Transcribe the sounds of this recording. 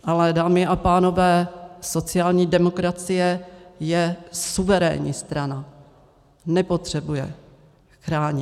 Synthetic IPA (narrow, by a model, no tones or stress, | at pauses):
ʔalɛdaːmɪʔapaːno̞vɛːso̞t͡sɪaːlɲiːdɛmo̞kɾat͡sɪjɛjɛsuvɛɾɛ̰ːɲḭːst̪ɾana | nɛpo̞t̪r̝̥ɛbujɛ̰ | xɾaːɲɪ